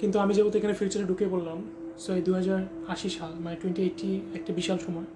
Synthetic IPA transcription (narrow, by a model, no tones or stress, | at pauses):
kint̪uamid͡ʑebot̪ekʰanefiut͡ɕaɾeɖukebollam | sɔed̪uɦad͡ʑaɾ | aʃiʃalmaneʈweɳʈieʈːiɛk̚ʈabiʃalʃɔmɔe